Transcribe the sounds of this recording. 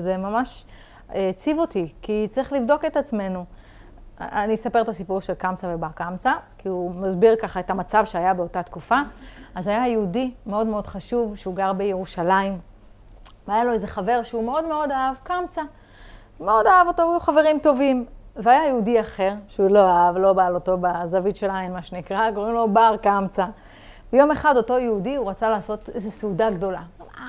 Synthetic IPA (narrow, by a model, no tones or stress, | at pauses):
zemamaʃ | t͡sivotikit͡sʁiχlivd̪o̞ke̞tat͡sme̞nu | anisape̞ʁt̪asipuʁʃelkamt͡savebakamt͡sakiumazbiʁkaχae̞thamat͡savʃeajabe̞o̞tat̪kufaːzajajeudimeo̞dmeo̞d̥χaʃuvʃeuɡaʁbe̞jeʁuʃalaim | veajalo̞ezeχave̞ʁʃeume̞o̞dme̞o̞daavkamt͡sa | meo̞daavo̞toajuχave̞ʁimt̪o̞vimveajajeudiaχe̞ʁʃeulo̞aavlo̞baloto̞bazavitʃelainmaʃenikʁaɡoʁimlo̞baʁkamt͡sa | bejo̞me̞χado̞to̞jeudiuʁat͡salaːso̞tezeseudaɡdo̞laa